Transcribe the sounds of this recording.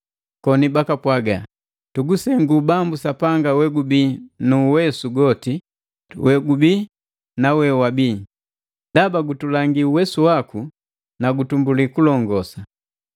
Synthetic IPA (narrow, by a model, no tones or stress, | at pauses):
kɔnibakapwaɡa | tuɡusɛŋɡubambusapaŋɡawɛɡubinuwɛsuɡɔti | wʔɛɡubi | nawɛwabiː | dabaɡutulaŋɡiuwɛsuwaku | naɡutumbulikulɔŋɡɔsa